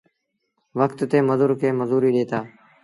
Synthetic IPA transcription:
ʋəkt̪t̪eːməzʊɾkʰeːməzuːɾiːɗeːt̪ʰaː

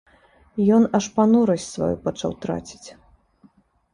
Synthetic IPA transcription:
jɔnɐʂpanuɾɐsʲsva̰jṵpɐt͡ʂa̰wt̪ɾa̰t͡sʲi̥t͡sʲ

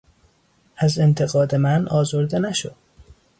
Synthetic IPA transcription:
æze̞nt̪ʰe̞ɣɒːd̪e̞mænɒːzoɾd̪enæʃod̪̥

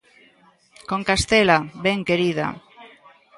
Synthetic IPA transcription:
koŋkast̪elabɛŋkeɾið̞a̰

